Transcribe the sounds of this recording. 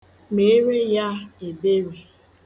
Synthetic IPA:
me˨˦ɾe˦ja˦e˨be˦ɾe˨

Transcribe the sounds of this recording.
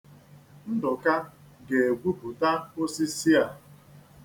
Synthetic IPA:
n̩˦dʊ˨ka˦ | ɡe˨e˨ɡʷu˦pu˨ta˦o˦si˦si˦a˨

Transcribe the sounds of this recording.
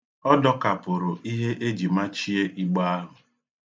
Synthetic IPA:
ɔ˦dɔ˦ka˨pʊ˨ɾʊ˨ʔi˦ɦe˦ʔe˦d͡ʒi˨ma˦t͡ʃi˦e˦ʔi˦ɡ͡ba˦a˦ɦʊ˨

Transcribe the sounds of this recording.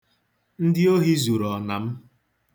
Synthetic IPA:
n̩˦dɪ˦o˦ɦi˦zu˨ɾɔ˨na˨m̩˦

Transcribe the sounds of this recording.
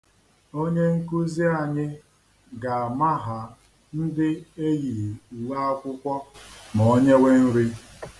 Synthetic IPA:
o˦ɲe˦ŋ̩˦ku˦zi˦a˨ɲɪ˦ | ɡa˨a˨ma˦ɦa˨ | n̩˦dɪ˦e˦ji˨u˨wa˦a˦kʷʊ˦kʷɔ˦mɔ˨˦ɲe˦we˦n̩˦ɾi˦

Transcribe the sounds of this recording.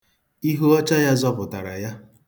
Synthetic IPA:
i˦ɦu˦ɔ˦t͡ʃa˦ja˦zɔ˦pʊ˨ta˨ɾa̰˨ja˦

